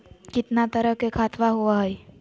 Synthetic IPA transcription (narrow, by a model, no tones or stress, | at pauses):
kɪt̪nat̪əɾəɦkekʰaːt̪ʰʋaɦuaɦəj